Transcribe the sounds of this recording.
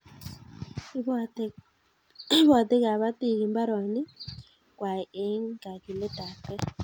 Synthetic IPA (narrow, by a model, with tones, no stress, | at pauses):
βa˨t̪e˦ɣa˨βa˦t̪i˦˨ɣi˨mba˦ɾɔ˨ni˦ | kwa˨e˦ŋɡa˨ki˨le˦ta˨kɛ˦